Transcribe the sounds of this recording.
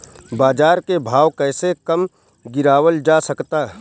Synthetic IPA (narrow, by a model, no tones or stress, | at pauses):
baːd͡ʒaːɾkebʱaːwkɛːsekəm | ɡɪɾaːwəld͡ʒasɐkt̪aːɦ